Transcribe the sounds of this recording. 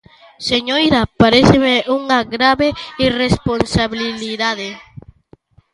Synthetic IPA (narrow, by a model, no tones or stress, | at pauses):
seɲojɾapaɾeθemeʔuŋaɣɾaβeiresponsaβililiðaðe